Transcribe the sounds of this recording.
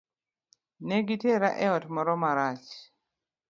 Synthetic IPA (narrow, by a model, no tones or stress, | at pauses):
nɛɡiteɾaʔɛɔtmɔɾɔmaɾat͡ʃ